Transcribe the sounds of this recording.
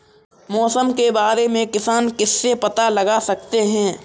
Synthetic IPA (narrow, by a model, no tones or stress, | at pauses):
mɔːsəmkebaːɾemẽkɪsaːnkɪsːepɐt̪alɐɡasɐk̚t̪eɦɛ̃ː